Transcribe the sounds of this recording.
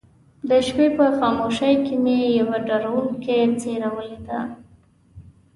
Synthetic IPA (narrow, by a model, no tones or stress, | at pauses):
d̪əʃpepəxɑmoʃəjkimejawaɖaɾawuŋket͡seɾawəled̪a̰